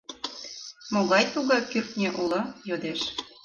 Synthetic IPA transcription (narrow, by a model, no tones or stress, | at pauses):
moɣɑjt̪uɣɑkyrt̪̚nʲeʔulɤ̆jod̪eʃ